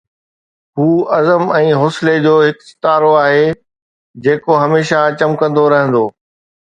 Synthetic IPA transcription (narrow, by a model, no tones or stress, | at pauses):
ɦuːɐzəmɛ̃ːɦoːsled͡ʑoːɦɪksɪ̥t̪aːɾoaːɦe | d͡ʑeːkoɦɐmeːʃat͡ɕɐmkɐ̃nd̪oɾɐɦə̃nd̪oː